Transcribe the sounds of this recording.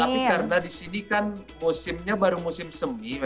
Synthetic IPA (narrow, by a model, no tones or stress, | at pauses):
t̪apikarənadisinikanmusɪmɲabaɾumusɪmsəmi